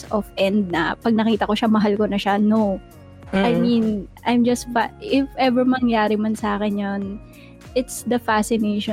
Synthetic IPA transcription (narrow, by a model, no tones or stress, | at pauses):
sɔfʔɛnd̪̚nɐ̰pɐɡ̚nɐkiːt̪ɐko̞ʃamɐɦalkonɐʃano | ʔajminʔajmd͡ʒɐst̪̚baɪfʔɛvɛɹmɐŋjaːɾɪmɐnsaːkɛnjon | ʔɪt̪sd̪ɐfasɪneʃɔ